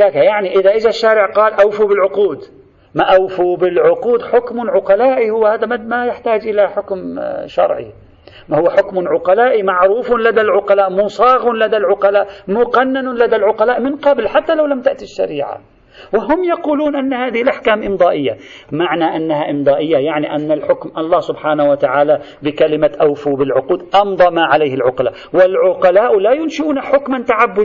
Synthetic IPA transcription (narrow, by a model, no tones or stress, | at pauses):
d̪aːkajaʕniʔɪðaʔɪd͡ʒaʃːaːɾɪʕqɑːlʔawfubɪlʕʊquːd̪ | maʔawfubɪlʕʊquːd̪ħʊkmʊʕʊqɑlaːʔihʊwːahaːd̪amamajɪħt̪aːd͡ʒʔɪlaħʊkmʃɑ̰ɾˤʕḭ | mahʊwːaħʊkmʕʊqɑlaːʔimaʕɾuːfʊnlad̪alʕʊqɑlaːʔmʊnsˤɑːɣʊnlad̪alʕʊqɑlaːʔmʊqanːanʊlad̪alʕʊqɑlaːʔmɪnqɑblħat̪ːalawlamt̪aʔt̪iʃːa̰ɾiːʕa̰ | wɪɦʊmːjɑquːluːnʔanːahaːðɪhɪlʔaħkaːmʔɪmd̪ˤɑːʔɪjːamaʕnaʔanːaɦaʔɪmd̪ˤɑːʔɪjːajaʕniʔanːalħʊkmʔɑlˤːɑːhsʊbħaːnahwat̪aʕaːla | bɪkalɪmaʔawfubɪlʕʊquːd̪ʔɑmd̪ˤɑmaʕalajhɪlʕʊqɑla̰ːʔwɪlʕʊqɑlaːʔlajʊnʃɪʔuːnaħʊkmant̪aʕabːʊd